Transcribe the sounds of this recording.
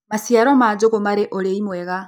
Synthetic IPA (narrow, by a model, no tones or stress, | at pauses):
masijaɾomad͡ʒoɣomaɾeʔoleimweɣa